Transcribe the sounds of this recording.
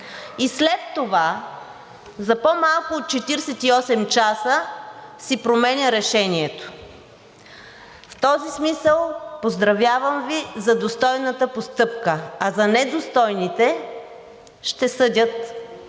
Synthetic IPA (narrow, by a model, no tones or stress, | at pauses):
islɛt̪ːova | zɐpomalˠkʊot̪̚t͡ʃɛt̪iɾsɛt̪iɔsɛmt͡ʃasəsipɾomɛnʲəɾɛʃɛniɛt̪o̥ | ft̪ɔzismisəlˠpozd̪ɾɐvjavəmvizɐd̪ost̪ɔjnət̪əpost̪ɤpkəɐzɐnɛd̪ost̪ɔjnit̪ɛ | ʃt̪ɛsɤd̪ʲət̪